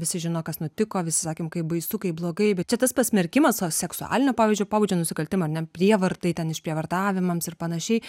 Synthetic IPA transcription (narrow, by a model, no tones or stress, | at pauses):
ʋʲɪsʲɪʒʲɪnoːkɐsnʊt̪ʲɪkoːʋʲɪsʲɪsɑːkʲemkɐɪpbɐɪsʊkɐɪblˠoːɡɐɪbʲɛt̪̚t͡ʃʲɛt̪ɐspɐsʲmʲɛɾʲkʲɪmɐsosʲɛksʊɑ̰ːlʲɪnʲoːpɑːʋʲiɪzʲd͡ʒʲoːpoːbud͡ʒʲoːnʊsʲɪkɐlʲt̪ʲɪmɐɾnʲɛpʲɾʲiɛʋɐɾt̪ɐɪt̪ʲɛnɪʃpʲɾʲiɛʋɐrt̪ɑːʋʲɪmɐmsɪɾpɐnɐʃʲɛɪ